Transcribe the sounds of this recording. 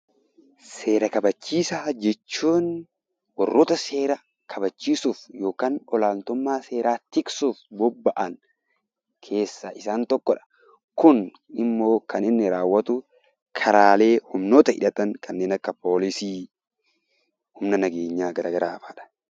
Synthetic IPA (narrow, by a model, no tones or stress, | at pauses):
se̞ːɾɐkɐbɐt͡ʃːiːsaːd͡ʒɛt͡ʃːuːn | wɔrːɔt̪ɐse̞ːɾɐ | kʰɐbɐt͡ʃːiːsuːfjo̞ːkaːnɔlaːnt̪ʊmːaːse̞ːɾʔaːt̪ɪksuːfbɔbːɐʔɐŋ | kʰe̞ːsːɐɪsaːnt̪ɔkːɔᶑɐ̥ | kʊn | ɪmːo̞ːkɐnɪnːɪɾaːwːɐt̪ʊ | kʰɐɾaːle̞ːhʊmnoːt̪ɐɪ̰ᶑɐt̪ɐŋkɐnːe̞ːnɐkːɐpo̞ːlɪsiː | hʊmnɐnɐɡeːɲːaːɡɐɾʔa̰ːɡɐɾaːfaːᶑɐ̥